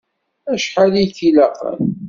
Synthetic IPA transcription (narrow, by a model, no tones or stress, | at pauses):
æʃħalijθilæqə̰n